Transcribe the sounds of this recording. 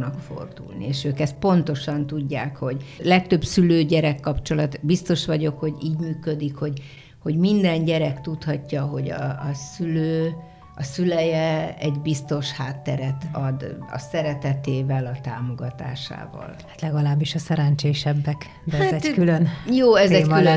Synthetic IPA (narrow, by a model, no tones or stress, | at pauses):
nɒkfo̰rd̪ṵlnḭeːʃøːkɛst̪̚po̞nt̪o̞ʃɒnt̪uɟːaːkho̞ɟlɛk̚t̪ø̞bsyløːɟɛɾɛkːɒpt͡ʃo̞lɒt̪bist̪o̞ʃʋɒɟo̞kho̞ɟiːɟmyːkø̞d̪ikho̞ɟ | ho̞ɟmind̪ɛɲɟɛɾɛkt̪ut̪hɒcːɒɦo̞ɟɒ̰ːsyløː | ɒsylɛjɛɛɟbist̪o̞ʃhaːt̪ːɛɾɛt̪ɒd̪ɒ̰sɛɾɛt̪ɛt̪eːvɛlɒt̪aːmo̞ɡɒt̪a̰ːʃa̰ːvɒ̰lhat̪lɛɡɒlaːbːiʃɒsɛɾɛnt͡ʃeːʃɛbːɛk | d̪ɛaɛkylønjoːɛzɛkylø